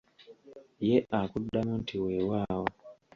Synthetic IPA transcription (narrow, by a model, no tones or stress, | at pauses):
jeʔakudamɔntʰiwewawɔ